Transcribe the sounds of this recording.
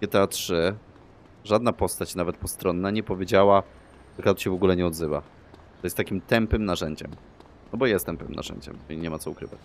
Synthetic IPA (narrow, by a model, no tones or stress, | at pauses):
ɛt̪ɛatʂɘ | ʐad̪napɔst̪at͡ɕnavɛt̪pɔst̪ɾɔnːaɲɛpɔvʲjed͡ʑawa | ʐɛkat̪ɕɛvɔɡulɛɲɛɔd̪zɘva̰ | t̪ɔjɛst̪ːakʲimt̪ɛmpɘmnaʐɛɲd͡ʑɛ̰m | nɔbɔjaɛjɛst̪ɛmpɘmnʔa̰ʐɛ̰ɲd͡ʑɛ̰mɔiɲɛmat̪sɔukɾɘ̰vat͡ɕ